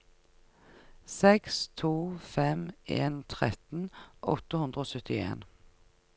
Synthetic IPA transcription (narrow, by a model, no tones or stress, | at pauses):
sɛkst̪ʰuːfɛmeːnt̪ʰʁɛt̪n̩ʔɔ̰t̪əhʉnd̪ʁəoːsœt̪ɪḛːn